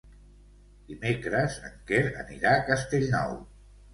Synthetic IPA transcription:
d̪̥imekɾəzəŋkeɾə̰nḭɾakəst̪eʎnɔ̰w

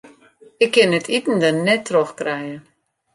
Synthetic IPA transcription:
ɪkʰːɪnətʰitn̩dənnːɛtʰːroxkrɛjə

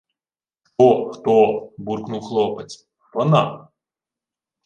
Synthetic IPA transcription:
t̪ɔxt̪ɔburknuwxlˠɔpet͡sʲ | p̪ɔnɑ

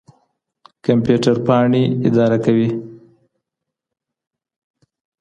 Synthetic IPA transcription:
kampjuʈaɾpɑɳiɪd̪ɑɾakawi

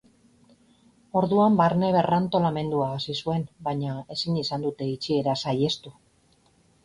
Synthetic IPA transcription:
o̞ɾðuambaɾne̞βe̞rant̪o̞lame̞nd̪uaːsisue̞nbaɲae̞sinisand̪ut̪e̞it͡ʃie̞ɾasaje̞st̪u

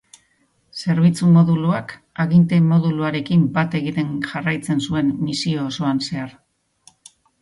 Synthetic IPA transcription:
se̞ɾβ̞it͡sumo̞ðuluak | aɣint̪e̞mo̞ðuluaɾe̞kimbat̪e̞ɣit̪e̞ŋʝarajt͡se̞nsue̞nːisio̞ːso̞anse̞aɾ

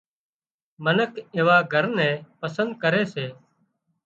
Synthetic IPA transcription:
mənəkʰeːʋaːɡʱəɾnɛ̃ːpəsənd̪̚kəɾeːseː

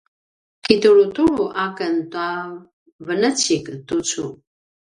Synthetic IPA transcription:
kituɾutuɭuʔakəntua | vənət͡siktut͡su

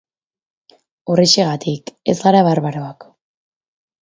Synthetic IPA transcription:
oreʃeɣ̞at̪ʰike̞zɣaɾaβaɾβaɾo̞ak

